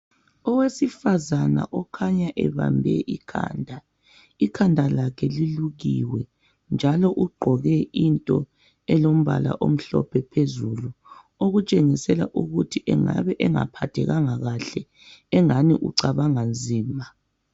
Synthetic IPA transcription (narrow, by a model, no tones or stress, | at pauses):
ɔwesifazana̰ʔɔkʰaɲaʔɛβa̰mbʱɛʔikʰa̰ːndʱa | ikʰandʱalakʰɛliluɣḭwɛ | nd͡ʒʱalɔʔuɡ͡ǃʱɔɣɛintʼɔ | ɛlom̩βa̰la̰ʔom̩ɬɔ̰pʰɛpʰezulu | oɣut͡ʃʼeŋisɛla̰ʔuɣutʰiʔɛŋa̰βɛʔɛŋa̰pʰatʰɛɣaŋaɣaɬɛ | ɛŋaniʔṵǀaβaŋand͡zʱiːma